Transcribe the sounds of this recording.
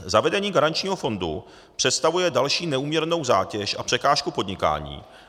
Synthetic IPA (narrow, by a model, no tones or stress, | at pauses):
zavɛdɛɲiːɡaɾant͡ʃɲiːɦofo̞ndṵ | pr̝̥ɛt̪st̪avujɛdalʃiːnɛuːmɲɛɾno̞wza̰ːcɛʃʔapr̥ɛkaːʃkupo̞dɲɪka̰ːɲḭː